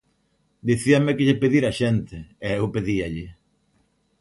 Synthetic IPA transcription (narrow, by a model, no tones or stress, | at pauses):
d̪iθiamekɪʎɪpeðiɾaʃent̪ɪɛewpeðiaʎɪ